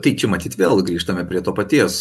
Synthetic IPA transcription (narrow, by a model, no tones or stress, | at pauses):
t̪ɐɪt͡ʃʲɛmɐt̪ʲiːt̪ʋʲeːlˠɡɾʲiːʃt̪ɐmʲɛpʲɾʲiɛt̪oːpɐt̪ʲiɛs